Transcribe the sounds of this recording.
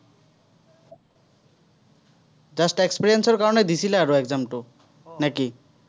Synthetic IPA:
d͡ʑasʈekspiɾienseɾkaɾoned̪isʰileaɾoɛkzamʈo | naki

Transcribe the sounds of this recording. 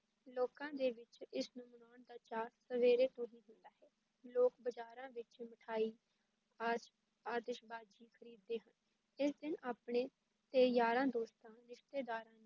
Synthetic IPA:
loːkãːd̪eːʋɪt͡ʃɪsnʊmnaːnd̪aːt͡ʃaːɾsəʋeːɾeːt̪õːɦiːɦʊ̃nd̪aːɦɛː | loːkbəd͡ʒaːɾãːʋɪt͡ʃməʈʰaːiː | ad͡ʒ | aːd̪ɪʃbaːd͡ʒiːkʰəɾiːd̪ːeːɦən | ɪsd̪ɪnaːpɳeː | t̪eːjaːɾãːd̪oːst̪ãːɾɪʃt̪eːd̪aːɾãːnː

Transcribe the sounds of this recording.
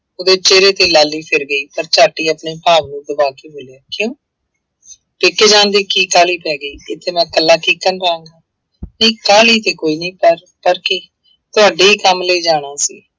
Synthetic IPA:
oːd̪eːt͡ʃeːɾeːt̪eːlaːlːiːpʰɪɾɡəiːpəɾt͡ʃaːʈiːəpɳeːpaːʋnũːd̪əbaːkeːboːlejaːkjõː | pɪːkeːd͡ʒãːnd̪iːkiːkaːliːpɛːɡəiːɪt̪ʰːeːmɛ̃ːkəlːaːʈiːkːənpaːãːŋɡaː | niːkaːliːt̪eːkoːiːnəĩːpəɾ | pəɾkɪː | t̪ʊaːɖiːiːkəmləiːd͡ʒaːɽ̃aːsḭː

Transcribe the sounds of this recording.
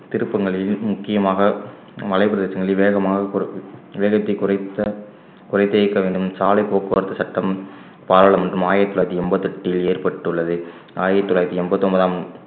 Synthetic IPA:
t̪ɪɾɯpːɐŋɡɐɭɪlmʊkːɪjɐmaːɣɐ | ʋɐlɐɪpɪɾɐðeːsɐŋɡɐɭɪlʋeːɣɐmaːɣɐʋeːɣɐt̪ːɐɪkːʊɾɐt̪ːɐ | kʊrɐɪt̪ːeːkːɐʋeːɳɖɯmsaːlɐɪpoːkːɯʋɐɾt̪ːɐsɐʈːɐm | paːɾaːɭɐmɛndrɯmaːjɪɐt̪ːɔlaːjɐt̪ːiɛmbɐt̪ːɛʈːɪjɪleːrpɐʈːɯɭːɐðɯ | aːjɪɐt̪ːɔlaːɾɐt̪ːiɛmbɐt̪ːɯɔmbɐðaːm

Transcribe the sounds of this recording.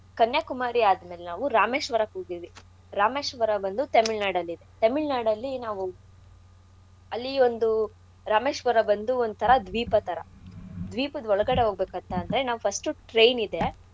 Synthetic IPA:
kɐnjakumaːɾiaːd̪ɐmeːlenaːʋuɾaːmeːʃʋɐɾɐkuːɡiɾʋi | ɾaːmeːʃʋɐɾɐbɐnd̪ut̪ɐmiɭnaːɽɐlːid̪e̞t̪ɐmiɭnaːɽɐlːinaːʋu | ɐlːio̞nd̪u | ɾaːmeːʃʋɐɾɐbɐnd̪uond̪ut̪ʰɐɾɐd̪ʋiːpɐt̪ʰɐɾɐd̪ʋiːpɐd̪ɔɭɐɡɐɽe̞ɦo̞ːɡ̚beːkɐnt̪ɐɐnd̪ɐɾe̞naːʋupʰɐsʈuʈɾejnid̪e̞

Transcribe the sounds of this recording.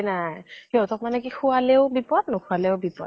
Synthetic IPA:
najkiɔtɔk̚manɛkikʰʊalɛʊbipɔt̚nɔkʰʊalɛʊbipɔ̰t

